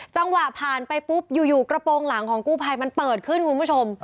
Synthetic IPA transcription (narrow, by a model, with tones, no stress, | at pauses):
t͡ɕa˧ŋwa˨˩ʔpʰaː˨˩npa˧jpu˦˥p̚juː˨˩juː˨˩kɾa˧poː˧ŋla˩˦ŋkʰɔː˩˦ŋkuː˥˩pʰa˧jma˧npɤː˨˩t̪̚kʰɯ˥˩nkʰu˧nbu˦˥˩o˧m